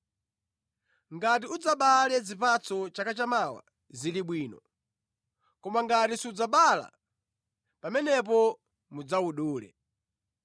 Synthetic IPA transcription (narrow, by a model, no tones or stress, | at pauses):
ŋɡat̬iud͡zaɓalɛd͡zipat͡sɔt͡ʃakat͡ʃamawa̰ | ziliɓwiːnɔ | kɔmaŋɡatisiud͡zaɓala̰ | pamɛnɛp̬ɔ | mud͡zawuɗuːlɛ̰